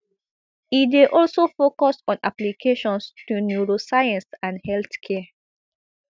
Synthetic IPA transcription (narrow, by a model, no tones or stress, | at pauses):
ideʔɔlsofokɔsɔ̃na̰plikʰeʃɔ̃nstunjuɹosajãnsãnhɛlθkʰɛ